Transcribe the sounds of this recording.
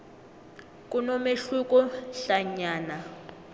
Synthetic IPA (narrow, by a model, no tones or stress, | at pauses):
kʼunɔmeɬukʼɔɬaɲaːna